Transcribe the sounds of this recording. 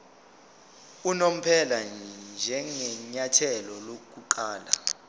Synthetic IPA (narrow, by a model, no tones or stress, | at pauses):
unom̩pʰɛland͡ʒʱɛŋɛɲatʰɛlɔlok̬ʼuǃaːla̰